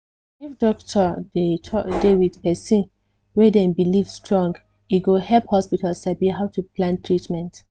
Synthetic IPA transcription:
ifdɔktʰɔdetʰɔdevidpɛsĩ | wɛdɛ̃nbilivstɹɔ̃ŋɡ | iɡohɛlphɔspitʰalsabiɦaʊtʰuplãntʰɹitmɛ̃nt

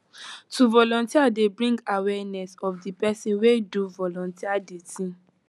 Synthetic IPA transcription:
tuvɔlɔ̃ntiadebɹĩŋɡawɛnɛsɔfdipɛsĩnweduvɔlɔ̃ntiadetĩ

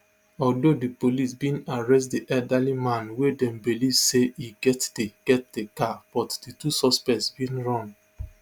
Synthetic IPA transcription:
ɔldodipolisbĩnaɹɛstdiʔɛdalimãnwedɛ̃mbilivseiɡɛtd̥eɡɛt̚d̥ekab̥ɔtd̥itusɔspɛsbĩnɹɔ̃n

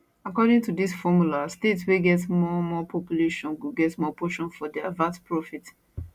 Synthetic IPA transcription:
akɔdɪ̃ŋtudisfɔmulastetsweɡɛtsmɔmɔpʰɔpjuleʃɔ̃nɡɛtsmɔpɔʃɔ̃nfɔdiavãspʰɹɔfit

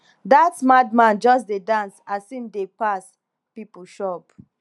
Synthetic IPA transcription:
datmad̚mãnd͡ʒɔs̬dedãnsasĩmdepas | pipuʃɔp

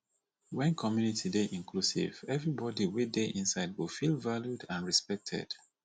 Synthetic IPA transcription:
wɛ̃nkʰɔmjunitʰideʔĩnkʰlusḭv̥ɛvɹibɔdiwideʔĩnsaɪd̚wifilvaljudãnɹispɛk̚tʰɛ̰d̥

